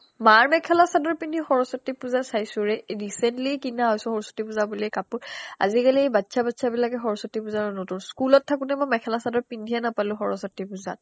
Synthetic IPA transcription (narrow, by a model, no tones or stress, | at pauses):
maɹmɛkʰɛlasadɔɹpindʱixɔɹɔsɔtːipuzasajsʊ̃ɹɛɹisɛntlikinaɦɔjsʊ̃xɔɹɔsɔ̥tːipuzabuliɛkapuɹa̰zikaliejbatːsʰabatsʰabilakɛxɔɹɔsɔtːipuzaɹɔnotunskulɔtʰːakutɛmɔmɛkʰɛlasadɔɹpindʱijanapalʊ̃xɔɹɔsɔtːipuza̰t̚